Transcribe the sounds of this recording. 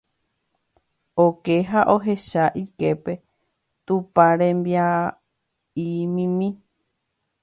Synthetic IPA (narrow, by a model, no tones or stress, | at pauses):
oke̞ɦaʔo̞ɦe̞ʃaʔike̞pe̞ | t̪upãɾẽmbia | imĩmĩ